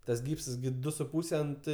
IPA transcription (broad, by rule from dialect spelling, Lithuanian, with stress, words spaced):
ˈtɐs ˈɡʲiːpsɐs ɡʲɪ ˈdʊ sʊ ˈpuːsʲɛ ˈɐnt